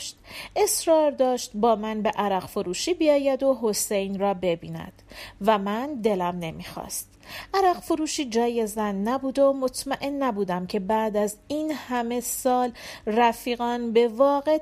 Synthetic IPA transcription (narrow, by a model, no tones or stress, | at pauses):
ʃt̪ʔe̞sɾɒːɾd̪ɒːʃt̪bɒːmænbe̞ʔæɾæqfoɾuːʃiːbiɒːjæd̪o̞ɦo̞sejnrɒːbe̞biːnæ̰d̪̥væmænd̪e̞læmne̞mḭːxɒ̰ːst̪ʔæɾæqfoɾuːʃiːd͡ʒɒːje̞zænːæbuːd̪o̞mo̞t̪ʰmæʔe̞nːæbuːd̪æmcʰe̞bæːd̪æzinhæme̞sɒːlræfiːɣɒːnbe̞vɒːɣe